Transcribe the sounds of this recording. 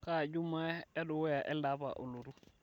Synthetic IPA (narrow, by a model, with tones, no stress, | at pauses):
ka˦d͡ʒu˦ma˦ɗa˦ɗɔ˨wɛ˦ja˨ʔɛ˦la˦ba̰˨ʔo˨lu˨ɾu˦